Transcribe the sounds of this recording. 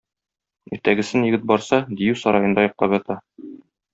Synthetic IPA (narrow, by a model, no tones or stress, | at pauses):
iɾt̪æɡɘ̆sɘnjɘ̆ɡɘt̪̚bɒɾsɑd̪ijʉsɒɾɑjɤ̆nd̪ɑjɒ̆q̚t̪ˠɑpjɒt̪ɑ